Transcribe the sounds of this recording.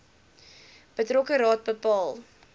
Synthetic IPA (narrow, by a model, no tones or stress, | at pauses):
b̥ətrɔkəɾɑːt̚bəpɑːlˠ